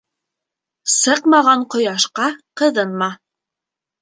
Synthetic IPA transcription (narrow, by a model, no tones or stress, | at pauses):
sɤqmɑʁɑɴqŏjɑʃqɑqɤ̆ðɤnmɑ